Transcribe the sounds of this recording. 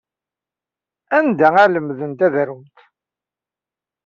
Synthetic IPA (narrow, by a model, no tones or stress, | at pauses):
ænd̪ææləmðənt̪æðɾumt̪